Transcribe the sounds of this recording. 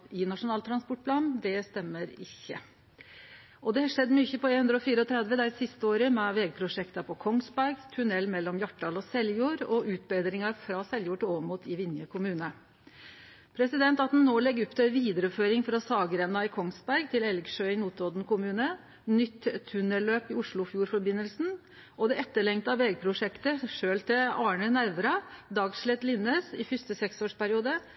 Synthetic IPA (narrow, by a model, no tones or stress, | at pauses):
ɪnɑʂʊnɑːlt̪ɾɑnspɔʈ̚pʰlɑːnd̪ɛst̪ɛmːəɾɪçːə̰ | ʔɔd̪ɛhɑʂɛd̪ːmyːçəpʰɔeːnhʉnd̪ɾəɔfiːɾəɔt̪ʰɾɛd̪ʋəd̪æɾsɪst̪əoːɾəmɛʋɛːɡ̚pʰɾʊʂɛkt̪ɑpʰɔkʰɔŋsbæɾɡt̪ʰʉnɛlːmɛlːɔmjɑʈːɖɑːlɔsɛljuːɾɔʔʉːt̪̚beːd̪ɾɪŋɑɾfɾɑsɛljuːʈɪoːʋəmuːt̪ʰɪʋɪnjəkʰʊmʉːnə | pʰɾɛsɪd̪ɛnt̪ɑt̪̚d̪ɛnnoːlɛɡːʉpːt̪ʰɛʋiːd̪əɾəføːɾɪŋfɾɑsɑːɡəɾɛnːɑɪkʰɔŋsbæɾɡt̪ʰɪlɛlɡʂøːɪnuːt̪ɾɔd̪nkʊmʉːnə | nʏt̪ʰːʉnəløːpɪʊʂɭʊfjuːɾfɔɾbɪnːəlsn̩ | ʔɔd̪ɛɛt̪ːəɭɛŋt̪ɑʋɛːɡ̚pʰɾʊʂɛkt̪əʂøːlt̪ʰɪlɑːɳənæɾʋɾɑd̪ɑːɡʂɭɛt̪lɪnːəːsɪfʏst̪əsɛksoːʂpæɾɪuːd̪ə